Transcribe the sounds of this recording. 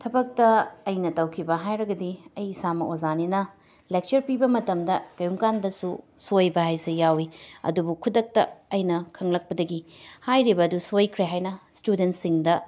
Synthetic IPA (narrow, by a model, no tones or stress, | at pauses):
tʰɐbɐk̚tɐːjnɐtɐwkʰibɐɦajɾɐɡɐdiɐjsamɐʔozaninɐ | lek̚t͡ʃɐɾpibɐmɐtɐmdɐkɐjuŋkandɐsu | sojbɐɦajsejawiɐ̰dubukʰudɐk̚tɐ̰ɐjnɐkʰɐŋlɐk̚pɐdɐɡihajɾibɐːdusojkʰɾeɦajnɐstudentsiŋdɐ